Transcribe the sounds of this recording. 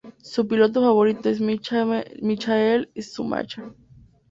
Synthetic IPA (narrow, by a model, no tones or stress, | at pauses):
supilot̪̬ofaβoɾit̪oes̬m | mit͡ʃaelisṵma̰t͡ʃa